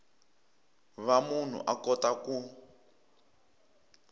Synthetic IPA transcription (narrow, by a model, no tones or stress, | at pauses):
βamun̤ṵʔakɔtaku